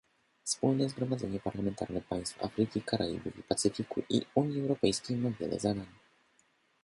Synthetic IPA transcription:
fspulnɛzɡɾɔmad̪zɛɲɛpaɾlamɛnt̪a̰ɾnɛpaj̃st̪fa̰fɾɘkʲikaɾʔajḭvṵvʲipat̪sɘfʲikṵʔḭuɲiɛwɾɔpɛjskʲejmavʲjɛ̰lɛ̰zad̪aɲɛ

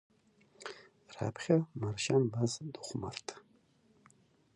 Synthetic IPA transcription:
ra̰pʰχʲamarʃanbazd̪uχʷma̰rtʰʼ

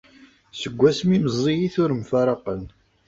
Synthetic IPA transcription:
səɡʷːæsmiməzˤːijiθʊɾmfɑɾˤɑqən

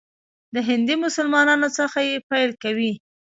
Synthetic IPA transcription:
d̪əɦɪnd̪imʊsʊlmɑnɑnot͡səxajepajlkawi

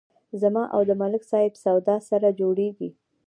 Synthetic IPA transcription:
zamɑʔa̰wd̪əmalɪksɑɪbsawd̪ɑsaɾad͡ʒoɽeɡi

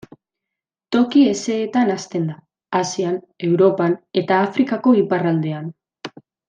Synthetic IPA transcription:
t̪o̞kie̞se̞ːt̪anast̪e̞nd̪aː | sian | e̞wɾo̞pane̞t̪aːfɾikako̞iparald̪e̞an

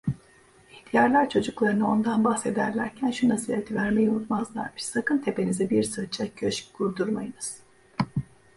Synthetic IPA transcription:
it̪ʰijaɾlʲˠaɾt͡ʃʰo̞d͡ʒuklˠaɾɯnɯo̞nd̪anbaxse̞d̪æɾlʲæɾcʰænʃunasɯlet̪ʰivæɾmejunut̪mazlˠa̰ɾmɯʃsakɯnt̪ʰe̞pe̞nizibiɾsɯɾt͡ʃʰːacʰøʃɡuɾd̪uɾmajɯnɯz̥

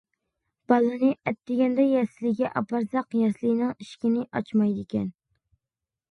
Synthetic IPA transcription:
b̥ɑlˠɨnɨʔɛt̪ːɪɡʲɛnd̪ɛjɛslɪɡʲɛʔɑ̰pɑɾzɑqjɛslɪnɨŋiʃkʲɪnɪʔɑt͡ʃmɑjd̪ɪkʲʰɛn

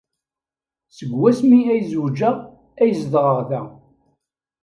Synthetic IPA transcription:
səɡwæsmiæjzud͡ʒæ | æjəzðʁəʁθæ

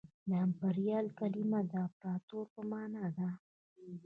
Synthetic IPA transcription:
nɑmpaɾijɑlkalimad̪apɾɑt̪oɾpəmɑnɑd̪a

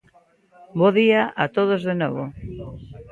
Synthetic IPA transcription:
boðiaʔat̪oð̞ozðenɔβo

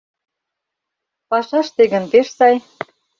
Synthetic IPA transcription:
pɑʃɑʃt̪eɣə̆np̪eʃsɑj

